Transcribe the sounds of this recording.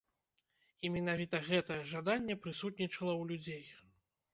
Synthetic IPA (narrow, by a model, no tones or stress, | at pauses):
imʲɛnavʲit̪ɐɣɛt̪ɐjɛʐad̪anʲːɛpɾɨsut̪̚nʲit͡ʂɐlˠɐwlʲud͡zʲej